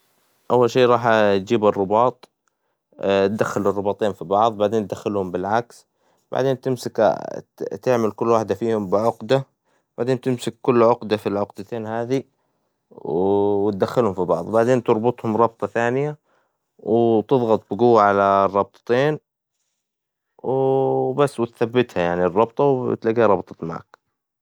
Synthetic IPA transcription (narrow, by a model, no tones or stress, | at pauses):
ʔawːalʃeːɾˤɑːħt̪d͡ʒiːbɑrˤːʊbɑːt̪ˤ | t̪̚d̪axːalɪrˤːɑbɑːt̪ˤeːnfibɑʕðˤbaʕd̪eːnt̪̚d̪axːalhʊmbɪlʕaks | ba̰ʕd̪eːnt̪ɪmsɪk | t̪ɪʕmalkʊlːwaːħd̪afiːhʊmbɪʕʊqd̪a | b̥aʕd̪eːnt̪ɪmsɪkːʊlːʕʊqd̪afilʕʊqd̪at̪eːnhaːði | wwt̪̚d̪axːalhʊmfibɑʕðˤwbaʕd̪eːnt̪ɨɾˤbɑt̪ˤhʊmɾˤɑb̚t̪ˤɑθaːnɪja | wɪt̪ɨðˤɣɑt̪ˤbɪɡʊwːaʕalarˤːɑb̚t̪ˤɑ̥t̪eːn | wbasːwɪt̪θabːɪt̪hajaʕnirˤːɑbt̪ˤɑwt̪laɡːhaɾˤɑbt̪ˤɑ̥t̪maʕa̰k